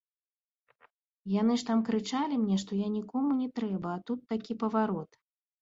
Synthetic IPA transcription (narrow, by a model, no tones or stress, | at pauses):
jan̪ɨʂt̪amkɾɨt͡ʂalʲimnʲɛʂt̪ɔjanʲikɔmunʲɛt̪ɾɛbɐːt̪ut̪ːakʲipɐvaɾɔt̪